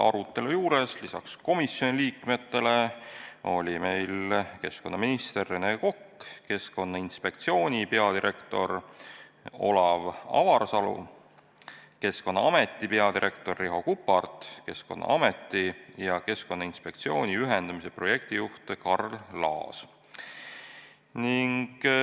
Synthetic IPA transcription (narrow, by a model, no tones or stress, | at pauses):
ʔɑ̰ɾut̪ˑːe̞lujuːɾe̞slisɑ̰ksko̞misjo̞nʲiliːkme̞t̪ːe̞le̞ | o̞lʲime̞jlke̞sko̞nːɑminist̪e̞rːeneko̞kːke̞sko̞nːɑinspe̞kt̪sio̞ːnʲipe̞ɑd̪iɾʔe̞kt̪o̞̰r | o̞̰lɑvɑ̰vɑrsɑlṵ | ke̞sko̞nːɑɑme̞t̪ˑːipe̞ɑd̪iɾʔe̞kt̪o̞rːiɦo̞kupːˑɑrt̪ˑke̞sko̞̰nːʔɑ̰ɑme̞t̪ːˑijɑke̞sko̞nːɑinspe̞k̚t̪sio̞̰ːnʲiyɦend̪̥ɑmise̞pro̞je̞k̚t̪ijuht̪ekɑrllɑ̰ːs | niŋɡ̥